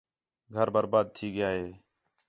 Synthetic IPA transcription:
ɡʱəɾbəɾbaːd̪̚t̪ʰiːɡɪjaːɦeː

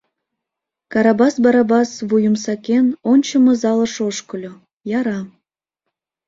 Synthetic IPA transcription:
kɑɾɑbɑsbɑɾɑbɑsβujəmsɑkenonʲt͡ɕəmɤ̆zɑlə̆ʃoʃkə̆lʲo | jɑɾɑ

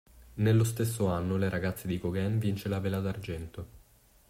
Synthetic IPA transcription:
nelːost̪esːoanːoleɾʔaɡat̪sːed̪ikoɡɛnvint͡ʃelavelad̪ard͡ʒɛnt̪o

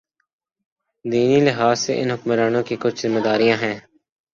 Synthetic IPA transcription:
d̪iːnilɪɦaːzseʔɪ̰nɦʊkmɾaːnõkikʊt͡ʃʰzɪmed̪aːɾijãɦɛ̃ː

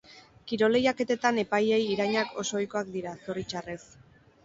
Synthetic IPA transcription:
kiɾo̞le̞jake̞t̪e̞t̪ane̞paje̞jiɾajɲakʰo̞so̞ːjko̞ak̚d̪iɾaso̞rit͡ʃare̞s

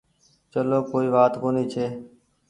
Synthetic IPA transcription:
t͡ʃəloːkoːiːʋaːt̪koːniːt͡ʃʰeː

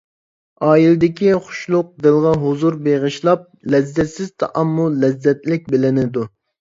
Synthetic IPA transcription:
ɑːjilɪd̪ɪkʲiχʊ̥ʃlˠʊq̚d̪ɨlˠʁɑɦozuɾbeʁəʃlˠɑp̚lɛzːɛt̪sɪz̥t̪ʰɑʔɑmːulɛzːɛt̪lɪk̚ʲbɪlɪnɪd̪u

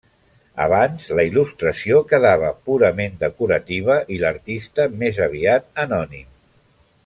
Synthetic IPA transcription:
ə̰β̞anzləilust̪ɾəsiokəðaβ̞əpuɾəmend̪əkuɾət̪iβəʔiləɾt̪ist̪əmezəβ̞iat̪̚ənɔnim

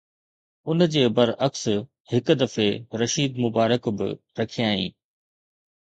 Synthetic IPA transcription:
ʊnd͡ʑeːbɐɾʔɐks | hɪk̆d̪ɐfeɾɐʃiːd̪mʊbaːɾəkbɪ̰ | ɾɐkʰijaːḭ̃ː

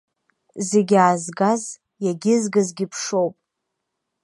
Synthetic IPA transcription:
zeɡʲaːzɡaz | jaɡʲɪzɡazɡʲɪpʰʂo̞wpʼ

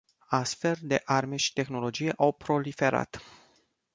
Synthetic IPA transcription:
asfe̞ld̪e̞ʔarme̞ʃi̥t̪e̞xno̞lo̞d͡ʒije̞ʔawpɾo̞life̞ɾa̰t̪

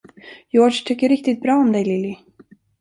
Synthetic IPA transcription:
jɔːʂt̪ʰʏkːəɾɪk̚t̪ɪt̪̚bɾɑːɔmd̪ɛjlɪlɪ

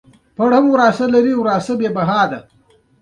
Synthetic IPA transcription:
pɐɽhɐmwɾaːsɐlɐɾiwɾaːsabeːbɐɦɑːd̪a

